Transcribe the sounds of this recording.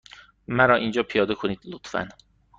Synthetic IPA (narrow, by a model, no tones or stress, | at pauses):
mæɾɒːʔind͡ʒɒːpʰijɒːd̪ekʰoniːd̪̥lot̪fæ̰n